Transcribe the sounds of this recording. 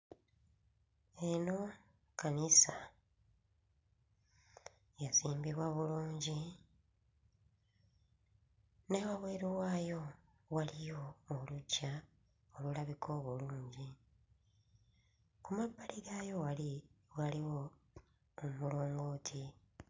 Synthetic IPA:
e̞no̞ | kanisa | jaziːmbiβwaβuluːɲɟi | newaβweːɾuwaːjo̞ | walijo̞ːlucːa | olulaβikʰo̞ːβuluːɲɟi | kumabːaliɡajo̞walwaliwoː | mulo̞ːŋɡoːtʰi

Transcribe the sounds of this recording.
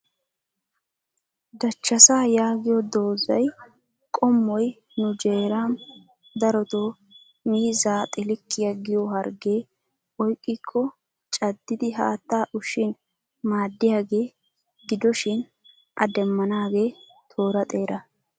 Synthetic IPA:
d̪ɐt͡ʃːɐsaːjaːɡɪjɔd̪o̞ːzɐ̰j | kʼɔmːɔj | nʊd͡ʒe̞ːɾaːn | d̪ɐɾɔt̪oː | miːzaːt̪ʼɪlɪkʰːɪjɐɡɪjɔɦɐɾɡe̞ː | ɔjkʼːɪkʰːɔ | t͡ʃʼɐd̪ːɪd̪ɪɦa̰ːt̪ːaːʔʊʃɪn | maːd̪ːɪjaːɡe̞ː | ɡɪd̪ɔʃɪn | ʔɐ̰d̪ɛmːɐnaːɡe̞ː | t̪ʰo̞ːɾɐt̪ʼe̞ːɾɐ

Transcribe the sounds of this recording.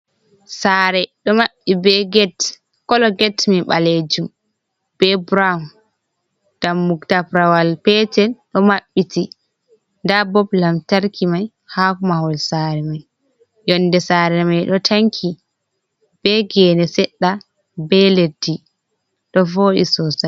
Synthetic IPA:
saːɾɛɗɔmaɓːibɛɡɛt | kɔlɔɡɛtmiɓaled͡ʒum | b̥ɛbɾam | d̥amːuktapɾawalpɛtɛnɗɔmaɓːiti | ndabɔblamtaɾkʰimaj | hakumahɔlsaɾɛmaj | jɔnːdɛsaːɾɛmajɗɔtʰaŋkʰi | b̥ɛɡɛnɛsɛɗːa | bɛledi | ɗɔvoɗisɔsa

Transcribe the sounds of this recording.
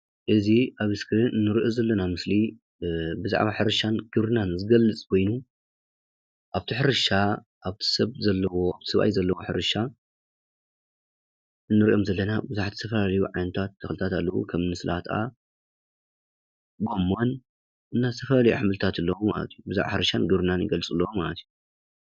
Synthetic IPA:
ʔɨziʔaβɨskʰɨɾinɨnːɨɾiʔozɐlːɐnamɨsli | bɨza̰ʕβaħɨɾɨʃanɡ̥ɨβɾɨnanɨzɨɡɐlːɨt͡sʼkʰo̞jnu | ʔaβt̪ʰiħɨɾɨʃa | ʔaβt̪ʰi̥sɐβzɐlːɐwo̞a̰βt̪ʰi̥sɐβʔa̰jzɐlːɐwoħɨɾɨʃa | ɨnːɨɾiʔo̞mzɐlːɐnabɨzuħat̪ʰi̥t̪ʰɐfɐlalɐjuʕajnɐt̪ʰat̪ːɐxlɨt̪ʰat̪alːɐwṵkʰɐmnɨsɨlʔa̰t̪ʰa̰ | ɡo̞mːon | ʔɨnːat̪ʰɐfɐlalɐjṵħɨmɨlɨt̪ʰat̪ɨlːɐwuma̰lɐ̰t̪ʰijubɨzaʕβa̰ħɨɾɐʃanɡɨβɾɨnanjɪɡɐlɨt͡sʼɨlːɐwomalɐt̪ʰiju

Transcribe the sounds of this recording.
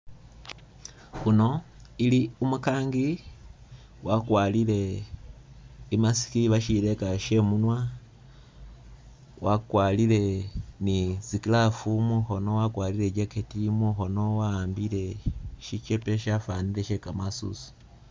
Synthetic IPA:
huno̞ | iliumukaːŋɡi | wakwaːlile̞ | imasi̥kiβaʃiɾekaʃe̞munwa | wakwalile̞nizikilafumuxo̞no̞wakwaːliɾe̞ɟeketimuxo̞no̞waaːmbile̞ʃit͡ʃepe̞ʃafaːnileʃekamasṵsu̥

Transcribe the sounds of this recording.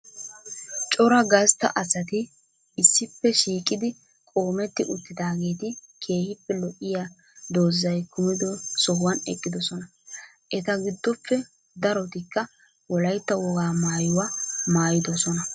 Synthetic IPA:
t͡ʃʼɔɾɐɡɐst̪ːɐ̰ʔɐsɐt̪ɪ | ɪsːɪpːɛʃiːkʼɪd̪ɪ | kʼo̞ːmɛt̪ːɪʔʊt̪ːɪd̪aːɡe̞ːt̪ɪkʰe̞ːhɪpːɛlɔʔːɪja | d̪oːzːɐjkʊmɪd̪ɔsɔhʊwɐnɛ̰kʼːɪd̪ɔsɔnɐ | ʔɛt̪ɐɡɪd̪ːɔpːɛ | d̪ɐɾɔt̪ɪkːɐ | wɔlɐjt̪ːɐwɔɡaːmaːjʊwamaːjɪd̪ɔsɔnɐ

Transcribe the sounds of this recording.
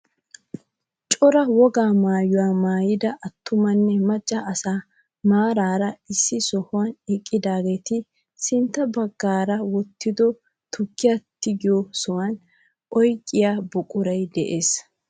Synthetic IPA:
t͡ʃʼɔɾɐwɔɡaːmaːjʊwaːmaːjɪd̪ɐʔɐt̪ʰːʊmɐnːɛmɐt͡ʃʼːɐʔɐsaː | maːɾaːɾɐɪsːɪsɔhʊwɐnɛkʼːɪd̪aːɡeːt̪ɪ | sɪnt̪ːɐbɐɡːaːɾɐwɔt̪ːɪd̪ɔ | t̪ʊkːɪjat̪ːɪɡɪjɔsɔwan | ʔɔjkʼːɪjaːbʊkʼʊɾɐjd̪ɛʔeːs

